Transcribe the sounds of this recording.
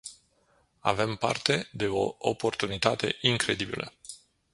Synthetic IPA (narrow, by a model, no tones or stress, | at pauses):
a̰ve̞mpa̰rt̪e̞d̪e̞o̞opo̞rt̪unit̪at̪e̞ʔiŋkɾe̞d̪ibilʔə̰